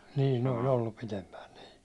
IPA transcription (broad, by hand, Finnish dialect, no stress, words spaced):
niːn ne olʲ oilːup pitempæːn niː